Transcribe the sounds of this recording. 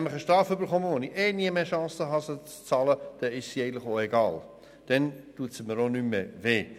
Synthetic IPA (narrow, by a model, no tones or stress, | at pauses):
mləχəʃtɾɑːføbəɾχɔməʋonieːniəmeːʃɑ̃ːsəɦɑsət͡st͡sɑːləd̥ɛɪʃsiɛɪɡən̩tlɪχoːeɡɑ̰ːl | d̥ɛntuəsəməɾonymːeveː